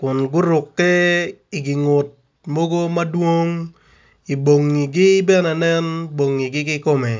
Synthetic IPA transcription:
kʊ˨nɡʊ˦ɾʊ˨kːɛ˦ɪ˨ɡi˨ŋʊ˨t̚ | mo˦ɡo˦ma˦dwo˦ŋ | i˨bo˨ŋːi˨ɡɪ˦bɛ˦na˨nɛ˦nbo˨ŋːi˨ɡɪ˦ɡɪ˦kɔ˦mɛ˨

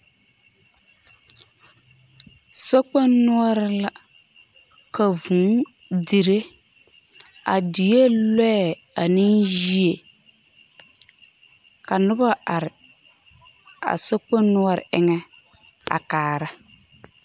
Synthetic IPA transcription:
so˦k͡pe˦nʊ˦ɔ˦ɾɪ˦la˦ | ka˨vũ˨˦di˨ɾe˦ | a̰˨di˨je˦lɛ˦ɛ˨a˨nɪ˦nji˦e˨ | ka˨nʊ˦ba˦a˨ɾɪ˨ | a̰˨so˦k͡pe˦nʊ˦ɔ˦ɾɪ̰˨ɪ˦ŋɛ˦a̰˨kaː˨ɾa˦

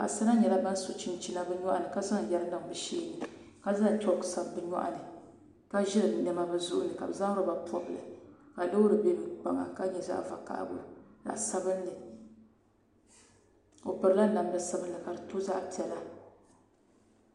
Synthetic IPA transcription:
ka̰˨sa˦na˦ɲɛ˨la˦ba˦n˦so˨t͡ʃi˦n˦t͡ʃi˦na˦bɨ˦ɲɔ˦ʔa˨nɨ˨ka˦za˦ŋ˨jɛ˦lɨ˦nɨ˨ŋ˨bɨ˨ʃeː˦nɨ˨ | ka˦za˦ŋ˨tɔ˦ksa˨bbɨ˨ɲɔ̰˦ʔa̰˨nɨ˨ | ka˦ʒɪ˦ɾɨ˨ɲɛ˦ma˦bɨ˦zʊ̰˦ʔʊ̰˦nɨ˨ka̰˨bɨ˨za˦ŋ˦ɾo˦ba˨pʰɔ˦blɨ̰˨ka˨lo˦wɾɨ˨be˦m˦k͡pa˨ŋa̰˨ka˦ɲɛ˨za̰˦ʔva̰˨ka̰˦˨ʔbʊ̰˨lla̰˨ʔsa˦bɨ˦nː˦ɨ˨ | o˨pɨ˨ɾɨ˦la˦na˨m˦lɨ˨˦sa˦bɨ˦nːɨ˨ka˨dɨ˨to˦za˦ʔpi˨ɛ˨la˦

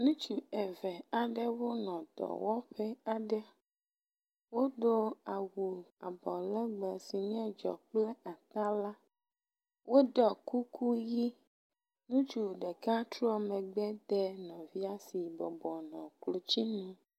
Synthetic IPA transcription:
nũ˦t͡ʃu˨e˨vɛ˨a˨ɖɛ˦wo˦nɔ̃˨d̪ɔ̰˨wɔ˦ɸɛ˦a˨ɖɛ˦ | wo˦d̪o˦a˨wu˨a˨bɔ˨lɛ˦ɡ͡bɛ˨si˨ɲɛ̃˦d͡ʒɔ̰˨k͡plɛ˦a˨t̪a˦la˦ | wo˦d̪ɔ˨ku˦kʰu˦ji˦ | nũ˦t͡ʃu˨ɖɛ˨ka˦t̪ɾɔ˦mɛ̃˨ɡ͡bɛ˦d̪ɛ˦nɔ̃˨vi˦a˦si˨bɔ˨bɔ˨nɔ̃˨klo˨t͡ɕi˦nũ˦

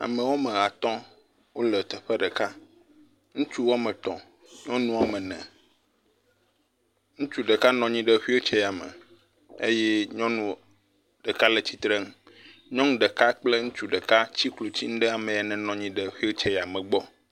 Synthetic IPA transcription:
a̰˨mɛ̃˨wo˦mɛ̃˨ɣa˨t̪ɔ̃˦ | wo˦lɛ˨t̪ɛ˨ɸɛ˦ɖɛ˨ka˦ | ŋũ˦t͡ʃu˦wo˦mɛ̃˨t̪ɔ̰̃˨ | ɲɔ̃˦nũ˦wa˨mɛ̃˨nɛ̰̃˨ | ŋũ˦t͡ʃu˦ɖe˨ka˦nɔ̃˨ɲĩ˦ɖɛ˨ɸwi˦o˦t͡ʃɛ˦ja˨mɛ̰̃˨ | ḛ˦jɛ˦ɲɔ̃˦nũ˦˨ | ɖ̥e˨ka˦le˨t͡ɕi˨t̪ɾɛ˦ŋ | ɲɔ̃˦ŋ˦ɖɛ˨ka˦k͡ple˦ŋũ˦t͡ʃu˨ɖe˨ka˦t͡ɕi˦klo˨t͡ɕi˦ŋ̩̃˦ɖɛ˦a˨mɛ̃˨ja˨nɛ̃˨nɔ̃˨ɲĩ˦ɖɛ˨ɸi˦o˦t͡ʃɛ˦ja˨mɛ̃˨ɡ͡bɔ˦

